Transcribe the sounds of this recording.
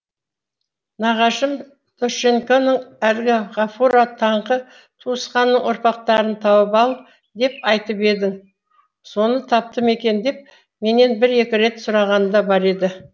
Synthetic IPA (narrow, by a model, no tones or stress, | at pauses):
nɑʁɑʃəm | t̪ʰoʃe̞ŋkonəɴælɡʲɪʁɑfuɾat̪ʰɑɴqə | t̪ʰuəsqɑnːəɴwʊɾpɑq̚t̪ɑɾənt̪ʰɑwəpɑlˠ | d̪e̞pɑjt̪əpe̞d̪ɪŋ | so̞nət̪ʰɑp̚t̪əme̞kʲe̞nd̪e̞p̚ | me̞ne̞nbɪɾe̞kʲɪɾe̞t̪sʊɾɑʁɑnd̪ɑbɑɾe̞d̪ɪ